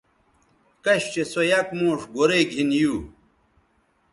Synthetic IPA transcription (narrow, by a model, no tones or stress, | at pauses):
kɐɕt͡ɕesojɐkmoːʂɡoɾeɡʱinjuː